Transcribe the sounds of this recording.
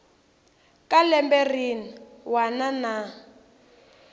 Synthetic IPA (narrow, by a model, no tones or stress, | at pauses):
kʼalɛmbɛriniwanana